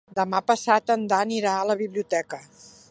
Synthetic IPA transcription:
d̪əmapəsat̪ənd̪aniɾaələβiβliut̪ɛkə

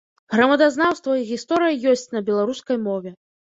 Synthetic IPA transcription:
ɣɾɐmɐd̪aznawst̪vɐiɣʲist̪ɔɾɨjɐjɔsʲt͡sʲnɐbʲɛlˠaɾuskɐjmɔvʲɛ

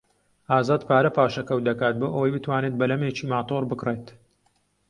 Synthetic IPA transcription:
ʔaːzaːd̪pʰaːɾɐpaːʃɐkɐw̪̚d̪ɐkaːt̪̚boːʔɐwɐjbɨt̪waːnet̪̚bɐlɐmeːt͡ʃiːmaːt̪ʰorbɨkreːt̪

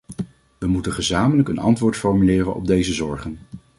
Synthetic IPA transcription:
ʋəmutənχəzaːmələkənɑ̰ntʋʊːɹtfɔɹmylɪːrənɔ̰b̚dejzəzɔɹχən

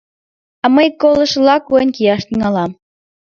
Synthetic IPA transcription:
ɑməjkːolˠə̆ʃəlɑkujənʲkijɑʃt̪iŋɑlɑm

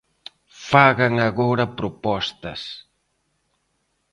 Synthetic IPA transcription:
faɣaŋɐɣɔɾɐpɾʊpɔst̪ɐs

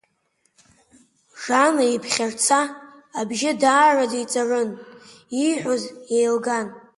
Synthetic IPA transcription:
ʐanaipʰχʲart͡sʰaː | bʒɪdaːrad͡zait͡sʼarɨniħʷozjejlɡan

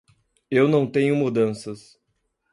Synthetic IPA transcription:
ewnɐ̃w̃t̪ẽɲʊmud̪ɐ̃sɐs

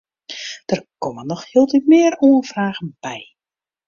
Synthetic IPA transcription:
d̥ərkɔmənːɔxhɪəlˠtitmɪːəɾuənfraːɣənb̥ɛj

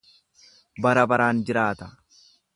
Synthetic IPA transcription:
bɐɾɐbɐɾaːnd͡ʒɪɾaːt̪ɐ̥

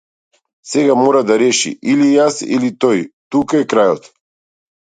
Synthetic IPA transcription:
sɛɡamɔɾad̪aɾɛʃḭʔilijasḭlit̪ɔjt̪ukaɛkɾajɔt̪

